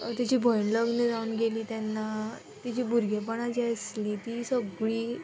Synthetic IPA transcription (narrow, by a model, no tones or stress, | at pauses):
t̪jat͡ɕiːbʱɔjɳləɡnəd͡zaunɡeliːt̪janːa | t̪jat͡ɕiːbʱuɾɡʱep̬əɳad͡ʑiasliːt̪iːsəɡɭiː